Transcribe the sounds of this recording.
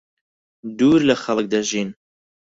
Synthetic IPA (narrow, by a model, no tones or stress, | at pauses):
d̪uːɾləxɐlˠək̚d̪aʒiːn